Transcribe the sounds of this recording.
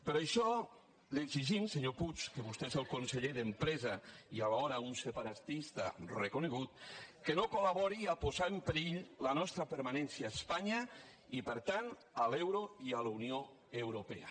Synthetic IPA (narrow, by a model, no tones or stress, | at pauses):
peɾaʃɔ | leɡziʒimseɲoput͡ʃkeβust̪eezelˠkonseʎeðəmpɾɛzaialaɔɾaunsepaɾat̪ist̪a̰rekoneɣ̞ut̪kenokolaβɔɾiapozaempeɾiʎlanɔst̪ɾapeɾmanɛnsiaːspaɲa | ipəɾt̪an | alɛwɾoialunio | ewɾopea̰